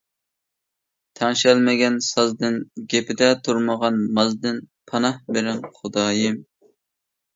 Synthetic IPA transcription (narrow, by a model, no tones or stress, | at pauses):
t̪ʰæŋʃɛlmɪɡʲɛnsɑzd̪ɨnɡʲepɪd̪ɛt̪ʰuɾməʁɑnmɑzd̪ɨnpʰɑnɑhbeɾɪnχʊd̪ɑːjɪm